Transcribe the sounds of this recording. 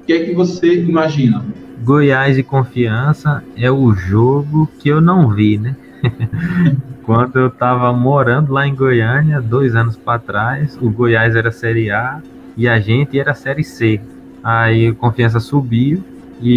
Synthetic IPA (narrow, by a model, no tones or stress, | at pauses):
kɛkɪvoseimaʒĩnɐ | ɡojajzd̪ɪkõfiɐ̃sɐɛʊʒoɡʊkɪewnɐ̃w̃vinɛ | kwɐ̃nd̪ʊewt̪avɐmoɾɐ̃nd̪ʊlaẽɡojɐ̃nad̪ojzɐ̃nʊspɾat̪ɾajsʊɡojajzɛɾɐsɛɾia | ɪaʒẽt̪ɪɛɾɐsɛɾɪse | aikõfiɐ̃s̬ɐsubi | ɪ